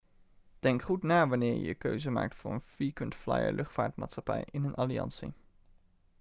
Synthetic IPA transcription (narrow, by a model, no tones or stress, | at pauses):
d̥ɛŋkχutnaːʋɑnɪːɹjəkøɥzəma̰ːk̚tfʊːɹənfikəntflɑjə̰lʔɵχtfaːɹtmaːtsχɑpɛjɪnənʔɑliɑ̰nsi